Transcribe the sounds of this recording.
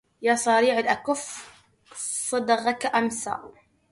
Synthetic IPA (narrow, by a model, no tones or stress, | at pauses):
jasˤɑɾiːʕɪlʔakʊf | sˤɨd̪ɑɣakaʔamsa̰ːʔ